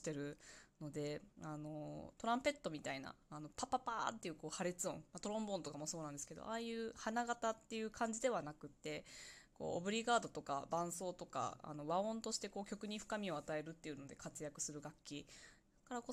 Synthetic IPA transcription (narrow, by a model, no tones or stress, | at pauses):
i̥t̪e̞ɾɯ̟no̞d̪e̞ano̞t̪o̞ɾãmpe̞t̪ːo̞mʲit̪aina̰ːno̞papapa̰ːt̪ːe̞iɯ̟ko̞ːhaɾet͡sɨõ̞ɴmat̪o̞ɾõ̞mbõ̞nt̪o̞kamo̞so̞ːnãnd̪eske̞d̪o̰ʔaːjɯ̟ːhanaɡat̪at̪ːe̞jɯ̟ːkʰãɲ̟d͡ʑid̪e̞β̞anakɯ̟t̪ːe̞ko̞̰ːobɯ̟ɾʲiɡaːd̪o̞t̪o̞ka̰bãɰ̃so̞ːt̪o̞ka̰a̰no̞βaõ̞nt̪o̞ɕi̥t̪e̞ko̞ːkʲo̞kɯ̟ɲ̟iɸɯ̥kamʲio̞at̪ae̞ɾɯ̟t̪ːe̞iɯ̟no̞d̪e̞kat͡sɨjakɯ̟sɨɾɯ̟ɡakʲːi | kaɾako